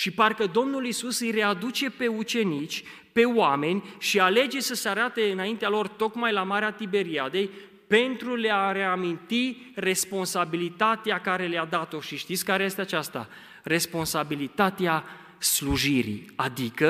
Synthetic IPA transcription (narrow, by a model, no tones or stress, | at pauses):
ʃiparkəd̪o̞mnulisusɨjre̞ad̪ut͡ʃe̞pe̞ut͡ʃe̞nit͡ʃʲ | pe̞oame̞nʲʃiale̞d͡ʒe̞səseaɾat̪e̞ɨnaint̪ealo̞rt̪o̞kmajlamaɾeat̪ibe̞ɾiad̪e̞j | pe̞nt̪ɾuleaɾe̞amint̪i | re̞spo̞nsabilit̪at̪eakaɾe̞lead̪at̪o̞ʃiʃt̪it̪sʲkaɾeje̞st̪eat͡ʃast̪a̰ | re̞spo̞nsabilit̪at̪ea | sluʒiɾḭad̪ikə